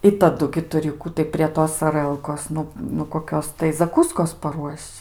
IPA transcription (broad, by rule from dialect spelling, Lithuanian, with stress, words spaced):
ɪ tɐˈdʊ ɡʲɪ tʊˈrʲɪ ˈkuː tɐɪ pʲrʲiɛ ˈtoːs ɐˈrəlˠkoːs ˈnʊ nʊ koːˈkʲoːs tɐɪ zɐˈkuːskoːs pɐˈruɔʃʲt͡ʃʲ